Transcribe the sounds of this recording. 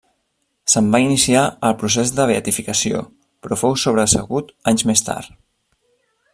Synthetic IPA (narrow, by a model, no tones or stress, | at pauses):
səmbainisiaəlˠpɾus̬ezd̪əβ̞eət̪ifikəsio̰ | pɾɔfowsoβ̞ɾəːsə̰ɣut̪aɲzmest̪a̰ɾ